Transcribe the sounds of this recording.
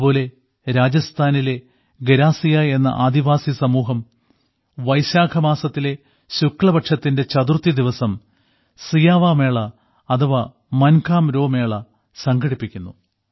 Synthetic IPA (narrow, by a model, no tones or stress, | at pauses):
po̞ːle̞ | ɾaːd͡ʑɐst̪ʰaːnile̞ | ɡeɾaːsijaːje̞nːɐ̰ʔaːd̪iʋaːsisɐmuːɦɐm | ʋɐjɕaːkʰɐmaːsɐt̪ːile̞ | ɕukːɭɐbɐʈʂɐt̪ːinde̞t͡ɕɐd̪urt̪ːid̪iʋɐsɐm | sijaːʋaːme̞ːɭɐː | d̪ʰɐʋɐ | mɐnkʰaːmɾo̞ːme̞ːɭɐ | sɐŋɡɐɽipːikʲːunːu